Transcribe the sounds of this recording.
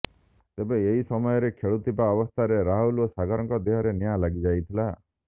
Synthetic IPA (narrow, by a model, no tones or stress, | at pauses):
t̪ebeeɦisɔmɔjɔɾekʰeɭut̪ipaɔbɔst̪ʰaɾeɾaɦulosaɡɔɾɔŋkɔd̪eɦɔɾenijalaɡid͡ʒajt̪ʰila